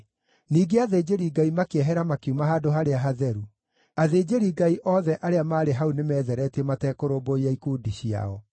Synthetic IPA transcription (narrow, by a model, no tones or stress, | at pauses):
niːɡeaðed͡ʑeɾiɡaimakeɛɦɛɾamakumaɦaːdoɦaɾeaɦaðɛɾu | aðed͡ʑeɾiɡaiʔɔːðɛʔaɾeamaːɾeɦaunemɛːðɛɾɛtiɛmatɛːkoɾoboiaikuːdiɕia̰ɔ